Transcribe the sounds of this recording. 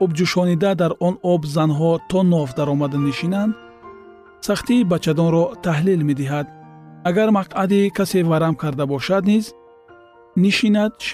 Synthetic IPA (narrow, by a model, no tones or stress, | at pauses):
ɔbd͡ʒuʃɔnid̪ad̪aɾɔnɔbzanɦɔt̪ʰɔnɔvd̪aɾɔmad̪aniʃinand̪ | saχt̪iːbat͡ʃʰːad̪ɔnɾɔt̪ʰaɦlilmed̪iɦad̪̚aɡaɾmaqʰad̪ikʰasevaɾamkʰaɾd̪abɔʃad̪niz | niʃinad̪ʃ